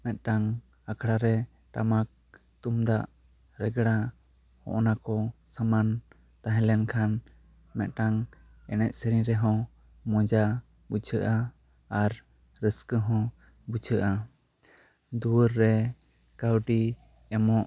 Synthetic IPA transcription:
mɛt̪̚ʈaŋ | akʰɽaɾɛ | ʈamak̚ | t̪umd̪aʔ | ɾɛɡɽa | hɔ̰̃ʔnakɔsaman | t̪ãɦɛ̃lɛnkʰan | mɛt̪̚ˀʈaŋ | ɛnɛt̪̚səɾiɾɛɦɔ̃ | mɔ̃d͡ʒa | but͡ʃʰəʔaː | ɾː | əskəɦɔ̃ | but͡ʃʰəʔa | d̪uwəɾːɛ | kawɖi | ɛmɔʔ

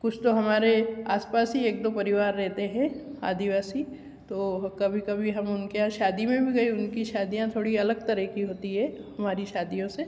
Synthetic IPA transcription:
kʊt͡ʃʰt̪oɦɐmaːɾeaːspaːsieːk̚d̪opɐɾɪʋaːɾːɛɦt̪eɦɛ̃a̰ːd̪iʋaːsi | t̪oːkɐbʱikɐbʱiɦɐmʊnkeãʃaːd̪imẽbʱiɡɐiʊnkiʃaːd̪ijãt̪ʰoːɽiɐləɡt̪ɐɾəɦkiɦoːt̪iɦɛːhɦɐmaːɾiʃaːd̪ijõse

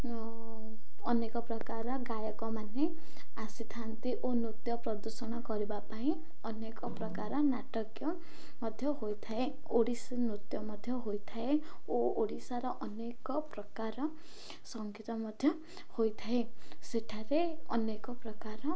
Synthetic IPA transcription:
ɔnekɔpɾɔkaɾɔɡajɔkɔmane | asit̪ʰant̪iʔonut̪jɔpɾɔd̪usɔɽ̃ɔkɔɾibapaĩ | ɔnekɔpɾɔkaɾɔnaʈɔkjɔ | mɔd̪ʱjɔɦojt̪ʰaeoɽisnut̪jɔmɔd̪ʱjɔɦojt̪ʰaeooɽisaɾɔʔɔnekɔpɾɔkaɾɔ | sɔŋɡʱit̪ɔmɔd̪ʱjɔ | hojt̪ʰaeseʈʰaɾeɔ̰nekɔpɾɔkaɾɔ

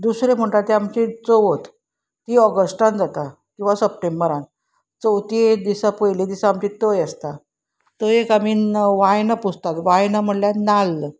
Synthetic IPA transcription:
d̪usɾem̤əɳʈat̪eamt͡ɕet͡soʋət̪ | t̪iːɔɡəsʈãnd͡zat̪a | kĩw̃ʋasəp̚ʈembəɾãn | t͡səwt̪ed̪isapəjled̪isaːmt͡ɕit̪əjəst̪a | t̪əekamiʋajnapud͡zʱt̪at̪ʋajnam̤əɽljanalːə

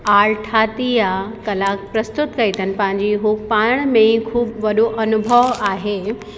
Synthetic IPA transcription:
aːɭʈʰaːt̪iakɐlaːk̚pɾɐst̪ʊt̪kɐit̪ʰənɪ̆pɐ̃ɦɪ̃ɲ̆d͡ʑiɦʊkpaːɽ̃mẽkʰuːbʋɐɗoʔɐnʊbʱəʋaːɦeː

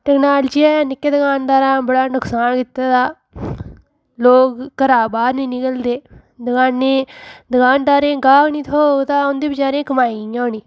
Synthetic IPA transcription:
ʈɛknaːld͡ʒiːaːjãːnɪkːeːd̪əɡaːnd̪aːɾãːbəɽaːnʊksaːnkɪt̪ːaːd̪aː | loːkːəɾaːbaːɾnĩːnɪkəld̪eː | d̪əɡaːnːeːd̪əɡaːnd̪aːɾẽːɡaːkniːt̪ʰoːt̪aːʊnd̪eːbət͡ʃaːɾẽːkəmaːiõːniː

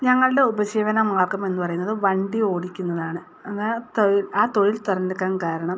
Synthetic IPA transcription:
ɲɐŋːɐɭɖe̞ubɐt͡ɕeːʋɐnɐmaːrkɐme̞nːɨpɐrɐjunːɐðɨʋɐɳɖio̞ːɽikʲːunːɐðaːɳɨ | ɐnːɐt̪oɻilaːt̪o̞ɻilt̪orɐnɨkːaːnkaːɾɐɳɐm

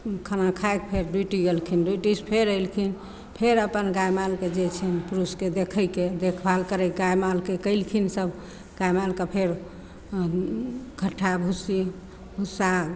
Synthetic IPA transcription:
kʰənakʰajk̚pʰeɾɖuʈiɡelkʰinɖuiʈispʰeɾəilkʰin | pʰeɾəpənɡajmalked͡ʒet͡ʃʰɛnpɾusked̪ekʰəjked̪ekʰbalkəɾɛɡajmalkekəɪlkʰinsəb | ɡ̥ajmalkepʰeɾ | kʰəʈʰːabʱusi | bʱusa

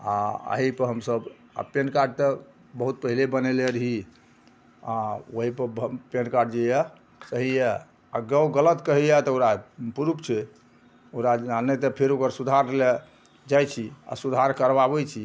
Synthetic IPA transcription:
aə̰ɦipəɾɦəmsəb | a̰penkaɾɖ̚t̪ə | bəɦut̪̚pəɦilebəneleɾəɦi | aoɦipəɾbpenkaɾɖd͡ʒejɛ | səɦijɛ | aɡəwɡələt̪kəɦijɛt̪ɔoɾapuɾupt͡ʃʰɛ | oɾaanɛt̪əpʰeɾokəɾsud̪ʱaɾle | d͡ʒajt͡ʃʰia̰sud̪ʱaɾkəɾbabɛt͡ʃʰi

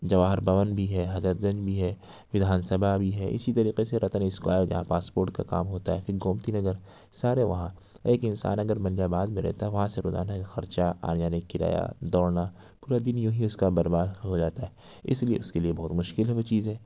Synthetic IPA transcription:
d͡ʒɐʋaːɦɾbɐʋənbʱiɦɛɦɐzɾət̪̚ɡɐ̃nd͡ʒbʱiɦɛː | ʋɪd̪ʱaːnsɐbʱabʱiɦɛːʔɪ̰sit̪ɐɾiːqeseɾɐt̪ənɪskwa̰ːjəɾd͡ʒɐ̰ɦãpaːspoːɾʈ̚kaka̰ːmɦoːt̪aɦɛfɪɡoːmt̪inɐzəɾ | saːɾeʋɐɦã | eːkɪ̃nsa̰ːnɐɡəɾmɐljabaːd̪mẽɾɛ̰ɦt̪aɦɛʋɐɦãseɾo̰ːza̰ːnaxɐɾt͡ʃaa̰ːnjaːnekːɪɾa̰ːja̰d̪ɔːɽna | puːɾad̪ɪnjõɦĩʊskabɐɾbaːd̪ɦod͡ʒaːt̪aɦɛː | ɪsliḛʊskeliebɔɦːt̪mʊʃkɪlɦɛʋot͡ʃiːzɦɛː

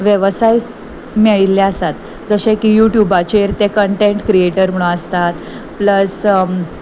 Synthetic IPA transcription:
ʋjeʋsajs | meɭilːɛəsat̪ | d͡zəɕẽkijuʈjubat͡ɕeɾt̪ẽkəɳʈeɳʈkɾieʈəɾm̤əɭ̃uəst̪at̪ | pləs

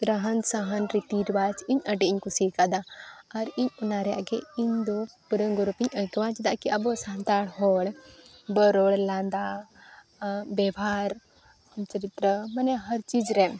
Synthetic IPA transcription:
ɾəɦənsaɦənɾit̪iɾbat͡ʃiɲəɖɛʔiɲkusikad̪aːɾiɲɔnaɾɛja̰ʔɡɛiɲd̪ɔpəɾəŋɡɔɾupiɲəkwãd͡ʒɛd̪aʔkiʔɐbɔsant̪aɽɦɔɽbəɾɔɽland̪a | bɛbʱaɾ | mt͡ʃəɾit̪ɾəmanɛɦəɾt͡ʃid͡ʒɾɛ

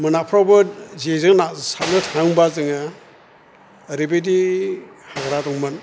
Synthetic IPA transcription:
mɯnapʰɾɔwbɯzezɯŋnasatnɯtʰaŋbazɯŋa | ɾebedi | haɡɾadɔŋmɯn

